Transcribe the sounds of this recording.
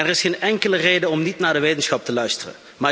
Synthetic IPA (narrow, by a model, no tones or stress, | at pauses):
nɛrɪsxeːnɛŋkələrejdəɔmnitnaːɹdəʋejtənsxɑp̚təlœɥstərə̰n | maː